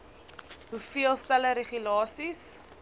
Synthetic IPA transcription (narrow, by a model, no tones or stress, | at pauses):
ɦufiəlˠstæləɾeχylɑːsis